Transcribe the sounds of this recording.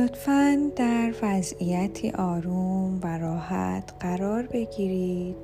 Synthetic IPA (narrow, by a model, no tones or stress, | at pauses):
ot̪fænd̪æɾvæzijæt̪ʰḭʔɒːɾumvæɾɒːhæ̰t̪ʰɢ̥æɾɒːɾbe̞ɟiːɾiːd̪̥